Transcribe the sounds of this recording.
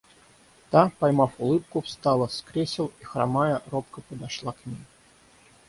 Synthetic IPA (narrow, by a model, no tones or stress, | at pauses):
t̪apajmafʊlˠɨp̚kʊfst̪alˠəskɾʲesʲɪlˠixɾa̰majərop̚kəpəd̪aʂlˠaknʲejʲ